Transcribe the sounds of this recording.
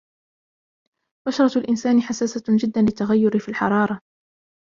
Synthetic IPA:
baʃɑɾˤɑlʔɪnsaːnɪħasaːsad͡ʒɪd̪ːanlɪt̪ːaɣajːʊɾɪfiːlħɑɾˤɑːɾˤɑ

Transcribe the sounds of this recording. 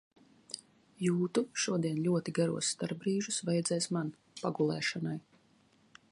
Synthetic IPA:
juːt̪uʃuɔd̪iɛnlʲuɔt̪iɡaɾṵɔst̪aɾbɾiːʒusvɛjd̪zɛːsman | paɡulˠɛ̰ːʃɔnaj

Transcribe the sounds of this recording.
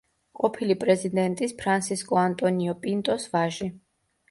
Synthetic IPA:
qʼɔpʰilipʼɾɛzid̪ɛnt̪ʼispʰɾansʰiskʼɔant̪ʼɔniɔpʼint̪ʼɔsvaʒi

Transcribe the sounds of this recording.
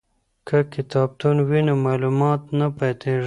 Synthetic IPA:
kʰakɪt̪ɑːb̚t̪unwinomɑːlumɑt̪napat̪ʰeʐ

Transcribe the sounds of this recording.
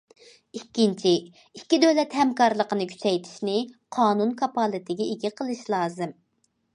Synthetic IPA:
ikʲːint͡ʃʰi | ikʲːid̪øwlɛt̪hɛmkɑɾlˠəqənɨkʲʰy̥t͡ʃʰɛjt̪ʰi̥ʃnɪqʰɑːnunkʰɑpɑːlˠɨt̪ʰɪɡʲɛeɡʲɪqʰəlˠɨʃlˠɑːzɨm

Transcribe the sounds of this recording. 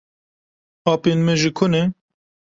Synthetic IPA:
ɑːpeːnmɛʒikʰʊne

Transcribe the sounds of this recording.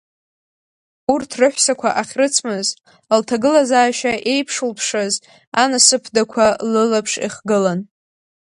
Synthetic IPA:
urtʰrɨħʷsakʷʰaʔaχʲrɨt͡sʰmɨz | ltʰaɡɨlazaːʃaʔe̞jpʰʂulpʰʂaz | anasɨpʰdakʷʰalɨlapʰʂḭχɡɨlan

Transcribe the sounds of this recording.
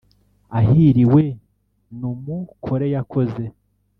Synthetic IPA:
aɦiɾiwe̞ | numukʰoɾe̞jakʰo̞ze̞

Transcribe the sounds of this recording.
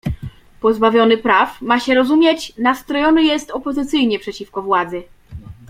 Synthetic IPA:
pɔzbavʲjɔnɘpɾafmaɕɛɾɔzumʲjet͡ɕnast̪ɾɔjɔnɘjɛst̪ɔpɔzɘt̪sɘjɲɛpʂɛt͡ɕifkɔvwad̪zɘ

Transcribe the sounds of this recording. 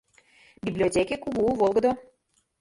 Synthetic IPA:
bʲiblʲiotʲekʲekuɣuvolˠɣəd̪o

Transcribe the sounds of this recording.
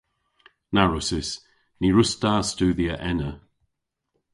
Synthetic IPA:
naɹʊsɪs | niɹʊstaːstuːðiəʔɛnə

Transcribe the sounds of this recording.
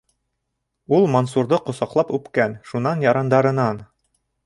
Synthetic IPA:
ulˠmonsuɾd̪ɤqŏsɑqlˠɑpʉpkænʃunɑnjɑɾɑnd̪ɑɾɤ̆nɑn

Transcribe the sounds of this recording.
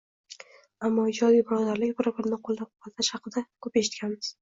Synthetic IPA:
amːɒɪd͡ʒɒd̪ijbɾɒd̪aɾlɪkʲbɪɾbɪɾnɪqʰolˠd̪ap̚qʰɑlt̪ʰaʃhɑqɨd̪akʰɵpeʃɪt̪kʲanmɪz̥

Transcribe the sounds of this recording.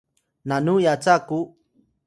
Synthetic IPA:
nanujat͡saku

